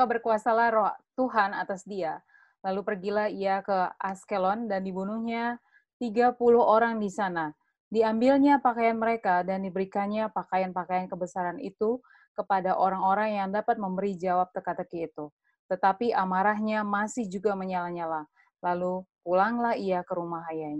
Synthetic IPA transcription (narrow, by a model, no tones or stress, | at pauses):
kabərkuasalahrɔht̪uɦana̰t̪asdia | lalupərɡilahiakəaskelɔndandibunuhɲa | t̪iɡapuluɦoɾaŋdisana | diambilɲapakajanməɾekadandibəɾikanɲapakajanpakajankəbəsaɾanḭt̪u | kəpadaʔoɾaŋoɾaŋjaŋdapat̪̚məmbəɾid͡ʒawap̚t̪əkat̪əkiːt̪u | t̪ət̪apiʔamaɾaɦɲamasɪhd͡ʒuɡaməɲalaɲalah | lalukulaŋlahiakəɾumaɦajaɲa